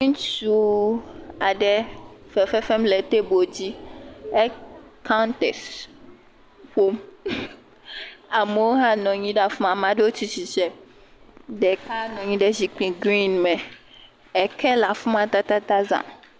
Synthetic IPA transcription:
ɲĩ˦t͡ʃu˦ | a˨ɖɛ˨fɛ˨fɛ˦fɛ˦mlɛ˨t̪e˦bo˨d͡ʑi˦ɛ˦ka˦nt̪ɛ˨s | ɸo˦m | a˨me˨wo˦ɦã˦nɔ̃˨ɲĩ˦ɖa˨fũ˦ma˨mã˨ɖe˦wo˦t͡ɕi˦t͡ɕi˨t͡ʃɛ˦ | ɖɛ˨ka˦nɔ̃˨ɲĩ˦ɖɛ˦zi˨k͡pĩ˨ɡɾĩ˦nmɛ̃˨ | ɛ˨kʰɛ˦la˨fũ˦mã˨t̪a˦t̪a˦t̪a˦zã̰˨

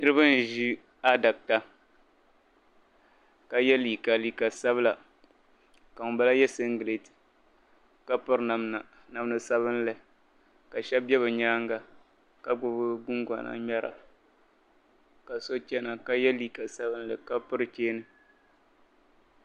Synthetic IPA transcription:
nɨ˦ɾɨ˦ba˦n˨ʒi˦ | a˦da˨k̚ta˨ | ka˨jɛ˦liː˨ka˨liː˨ka˨sa˦bɨ˦la˨ | ka˨ŋ˨ba˦la˦jɛ˦sɨ˦ŋ˦ɡɨ˨le˨ti̥˨ | ka˦pʊ˦ɾna˨mna˨ | na˨m˦nɨ˨sa˦βɨ˦n˦lɨ˨ | ka˨ʃɛ˦b̚bɛ˦βɨ˨ɲaː˦ŋɡa˨ | ka˦ɡ͡bʊ˨bɨ˦ɡʊ˦ŋ˦ɡa̰˨na̰˨mɛ˦ɾa̰˨ | ka˨so˦t͡ʃɛ˦na˨ka˦jɛ˦liː˨ka˨sa˦bɨ˦n̩˦lɨ˨ka˦pʊ˦ɾɨ˨t͡ʃeː˦nɨ˨

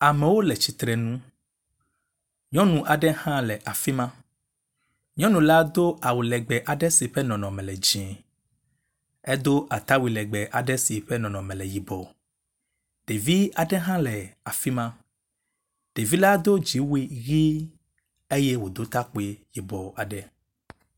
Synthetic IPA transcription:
a˨mɛ̃˨wo˦lɛ˨t͡ɕi˨t̪ɾɛ˨nũ˦ | ɲɔ̃˦nũ˨ʔa˨ɖɛ˦hã˦lɛ˨ʔa˨fi˦mã˦ | ɲɔ̃˦nũ˨la˦d̪o˦ʔa˨wu˨lɛ˨ɡ͡bɛ˨ʔa˨ɖɛ˦si˨ɸɛ˦nɔ̃˨nɔ̃˨mɛ̃˨lɛ˨d͡ʒɛ̃˨ | ɛ˦d̪o˦ʔa˨t̪a˦wi˨lɛ˨ɡ͡bɛ˨ʔa˨ɖɛ˦si˨ɸɛ˦nɔ̃˨nɔ̃˨mɛ̃˨lɛ˨ji˨bɔ˨ | ɖ̥e˨vi˦a˨ɖɛ˦ɦã˦lɛ˨a˨fi˦mã˦ | ɖ̥e˨vi˦la˦d̪o˦d͡ʒi˨˦wi˦ɣi˦ | e˦jɛ˦wo˨d̪o˦t̪a˦k͡pe˦ji˨bɔ˨a˨ɖɛ˦

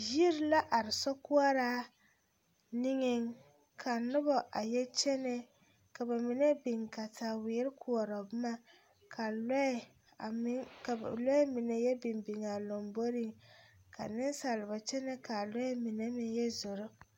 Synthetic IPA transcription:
ji˦ɾɪ˦la˦ʔa˨ɾɪ˨sɔ˦ku˦a˦ɾaː˦ | nɪ˦ŋɪ˦ŋ | kʰa˨nʊ˦bɔ˨ʔa˨jɛ˦t͡ʃɛ˦nɛ˦ | ka˨ba˨mɪ˨nɛ˦bɪ˨ŋka˨ta˨wɪː˨˦ɾɪ˦kʰu˨ɔ˨ɾɔ˨bma˦ | kʰa˨l | lɔ˦ɛ˦mɪ˨nɛ˦jɛ˦bɪ˨mbi˨ŋa˨lo˨mbo˦ɾi˦ŋka̰˨nɪ˦n˦sa˨lɪ˨ba˨t͡ʃɛ˦nɛ˦ka˨lɔ˦ɛ˦mɪ˨nɛ˦mɪ˦jɛ˦zʊ˨ɾʊ˦

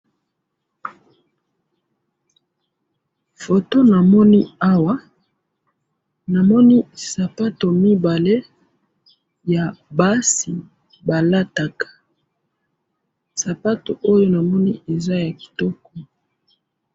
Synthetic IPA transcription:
fo˨to˦na˨mɔ˦ni˦a˦wa˦ | na˨mɔ˦ni˦sa˨pa˦to˨mi˦ba˨le˦ | ja˨ba˦si˨ | ba˨la˦ta˨kḁ˨ | sa˨pa˦to̰˨ʔo˦jo˦na˨mɔ˦ni˦e˨za˦ja˨ki̥˨tɔ˦kɔ˨

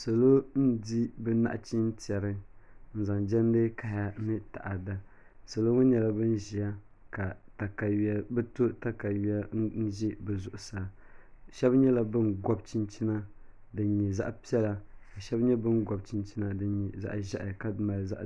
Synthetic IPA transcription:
so˨lo˦n̩˦di˦bɛ˦na̰˦ʔt͡ʃi˦n˦tɛ˨ɾɨ˦n̩˦za˨ŋd͡ʒɛ˦n˦dɨ˦ka˦ha˦nɨ˦ta̰˨ʔa˨da˨ | so˨lo˦ŋʊ˦ɲɛ˨la˦bɨ˦n˦ʒi˨a˦ | ka˨ta˨ka˨˦bɛ˦to˦ta˦ka˨wi˦a˦n̩˦n̩˦ʒi˦bɛ˨zʊ˨ʔʊ˨sa˨ʃɛ˦bɲɛ˦la˦bɨ˦nɡɔ˦b̚t͡ʃi˦nt͡ʃi˦na˦ | dɨ˨˦ɲi˨za̰˦ʔpi˦ɛ˦la˨ka˨ʃɛ˦bɲɛ˦bɨ˦nɡɔ˨b̚t͡ʃi˦nt͡ʃi˦na˦dɨ˨ɲi˨za̰˦ʔʒa˦ʔka˦ma˨lza̰˦ʔ

